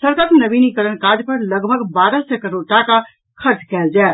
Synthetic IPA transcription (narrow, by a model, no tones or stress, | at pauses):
səɾkatnəbinikəɾənkad͡ʒpəɾləɡbʱəɡbaɾəsɛkəɾoɾʈaka | kʰəɾt͡ʃkɛld͡ʒa